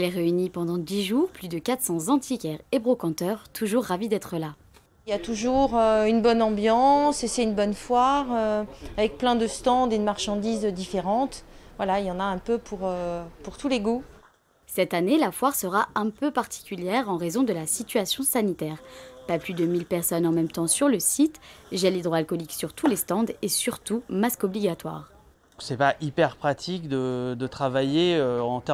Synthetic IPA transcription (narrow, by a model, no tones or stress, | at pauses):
ɛlɛʁeynipɑ̃d̪ɑ̃d̪iʒuːʁplyd̪əkat̪sɑ̃zɑ̃t̪ʰikʲɛʁebʁɔkɑ̃t̪œʁt̪ʰuʒuʁːavid̪ɛt̪χəla | jat̪uʒuʁøynbɔnɑ̃bjɑ̃sesɛynbɔnfwaʁøavɛk̚plɛ̃d̪əst̪ɑ̃d̪ed̪əmaʁʃɑ̃d̪izd̪ifeʁɑ̃t̪vwalaeljɑ̃naɛ̃pøpʰuʁøpuʁt̪uleɡu | sɛt̪anelafwaʁsəʁaɛ̃pøpaʁt̪ʰi̥kʲyljɛʁɑ̃ʁezɔ̃d̪əlasit̪ɥasjɔ̃sanit̪ɛːʁpaplyd̪əmilpɛʁsɔnɑ̃mɛmt̪ɑ̃syʁləsit̪ʒɛlid̪ʁoalkɔliksyʁt̪ʰulest̪ɑ̃d̪esyʁt̪umaskɔbliɡat̪wa̰ːʁ | ksɛpaʔipɛʁpχat̪ʰikd̪əd̪ət̪χavajeøɑ̃t̪ɛ